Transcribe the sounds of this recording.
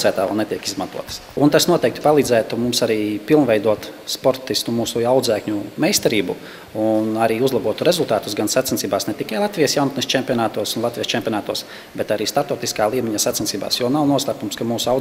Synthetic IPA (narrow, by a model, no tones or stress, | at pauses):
sæːt̪aːʋɛ̰lˠnet̪ʲiɛkizmant̪uɔt̪ə̥sunt̪asnuɔt̪ɛjk̚t̪i̥palˠiːd̪zæːt̪umumsaɾiːpilˠnʋʲɛjd̪uɔt̪spɔɾt̪ist̪umuːsuawd̪zæːkɲumɛjst̪ɛɾiːbṵ | unaɾiːuzlˠabuɔt̪uɾezulˠt̪aːt̪usɡansat̪sɛnt̪siːbaːsnɛt̪ikajlˠat̪ʋijsjawnt̪nisʲt͡ʃɛmʲpʲiɔnaːt̪uɔsunlˠat̪vʲijəst͡ʃempjɔnaːt̪uɔs | bɛt̪aɾiːst̪at̪ɔːt̪iskaːlˠiːmʲɛɲasat̪sensiːba̰ːsjuɔnawnuɔslˠaːkumskamuːsua